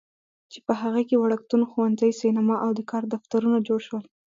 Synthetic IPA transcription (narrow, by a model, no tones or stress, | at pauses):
t͡ʃepəɦaɣakewaɽak̚t̪unxuwanzəjsinamɑʔawd̪əkɑɾd̪aft̪aɾunad͡ʒoɽʃwəl